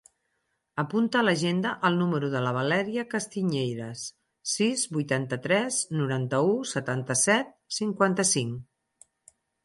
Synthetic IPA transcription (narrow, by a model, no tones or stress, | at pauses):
əpunt̪əːləʒend̪əʔəlˠnuməɾuðələβəlɛɾiəkəst̪iɲejɾəs | sizβujt̪ant̪ət̪ɾɛznuɾant̪əusət̪ant̪əsɛt̪̚ | siŋkwant̪əsiŋ